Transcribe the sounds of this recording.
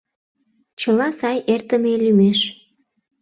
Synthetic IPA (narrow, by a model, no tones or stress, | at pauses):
t͡ɕəlɑsɑjert̪əmelymeʃ